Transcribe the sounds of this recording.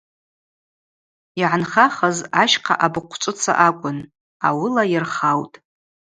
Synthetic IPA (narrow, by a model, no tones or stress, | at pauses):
iʕanχaχazaʃqʰa̰ʔabɨqʷʰt͡ʃʷʼʊt͡sʰa̰ʔakʷʼʊn | awɪlajɪrχawtʼ